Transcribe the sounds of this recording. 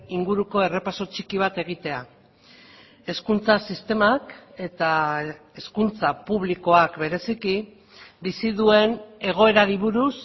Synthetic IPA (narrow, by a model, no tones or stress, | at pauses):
iŋɡuɾuko̞e̞re̞paso̞t͡ʃikiβ̞at̪e̞ɣ̞it̪e̞a | e̞skunt͡sasist̪e̞make̞t̪a | e̞skunt͡sapuβliko̞akbe̞ɾe̞siki | bisiðue̞ne̞ɣ̞o̞e̞ɾaɾiβuɾus